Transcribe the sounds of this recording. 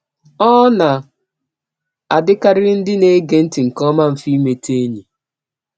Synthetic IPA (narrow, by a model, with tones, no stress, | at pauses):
ɔ˦na˨ | a˨dɪ˦ka˦ɾɪ˦n̩˦dɪ˦ne˦ɡe˨n̩˦tɪ˨ŋ̩˨kɔ˦ma˦m̩˨fi˦me˨tʰe˦ɲi˨